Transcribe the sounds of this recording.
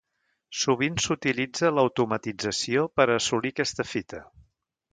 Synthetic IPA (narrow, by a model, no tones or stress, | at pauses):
suβinsut̪ilid͡zələwt̪umət̪id͡zəsiopəɾəsulikɛst̪əfit̪ə